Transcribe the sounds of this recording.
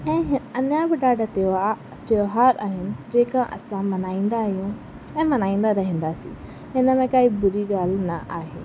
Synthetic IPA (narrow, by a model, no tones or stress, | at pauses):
ɛ̃ːɦɪɐnjabɪɖaːɖət̪eoa | t̪oːɦaːɾaːɦɪnɪ̆d͡ʑeːkãʔɐ̰sãmɐnaːĩːnd̪aɦjũ | ɛ̃ːmɐnaːĩːnd̪aɾɐɦĩːn̆d̪asḭ̃ː | ɦɪnəmẽkaːibʊɾiɡaːlnɐʔaːɦeː